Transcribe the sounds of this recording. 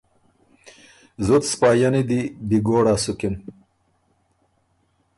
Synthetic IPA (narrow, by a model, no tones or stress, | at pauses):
zut̪spaːjɐnid̪ibiɡoːɽaːsukin